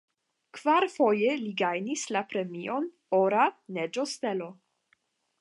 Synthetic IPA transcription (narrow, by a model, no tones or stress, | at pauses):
kv̥aɾfo̞jeliɡajnislapɾe̞mio̞n | oɾaned͡ʒost̪elo̞